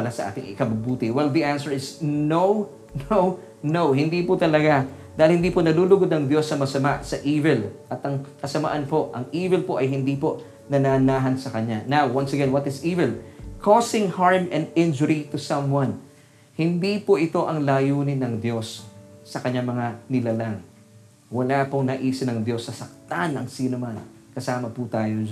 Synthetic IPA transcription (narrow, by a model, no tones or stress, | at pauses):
pɐlasɐ̰ʔa̰ːt̪ɪŋɪ̰kɐbʊbuːt̪ɪwɛld̪iʔansɛɹɪsnow | now | nowɦɪnd̪iːpʊt̪ɐlɐɡad̪aːhɪlhɪnd̪iːponɐluːlʊɡod̪̚ɐŋd̪josːɐmɐsɐmaʔsɐʔiːvɪlʔɐt̪ɐŋkɐsɐma̰ʔɐnpo̞ʔʔɐŋʔiːvɪlpoʔɐjɦɪnd̪ipo | nɐnanaːɦɐnsɐkɐɲanawwɐnsɐɡɛnwɐt̪ɪsiːvɪlkʰosɪ̃ŋhaɹmɛ̃nd̪ɪ̃nd͡ʒʊɾit̪ʊsɐ̃mwɐ̃n | hɪnd̪ipoʔɪt̪o̞ʔɐŋlaːjuːnɪnɐŋd̪jo̞sːɐkɐɲaŋmɐŋanɪlalaŋ | wɐlaːpoŋnɐʔiːsɪnɐŋd̪jo̞sːɐsɐk̚t̪anɐŋsiːnoman | kɐsaːmɐput̪aːjo